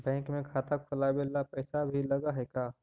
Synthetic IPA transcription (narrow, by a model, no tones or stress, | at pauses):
bɛ̃ːŋkmẽkʰaːt̪akkʰʊlabelːapɛːsabʱilɐɡaɦɛkaː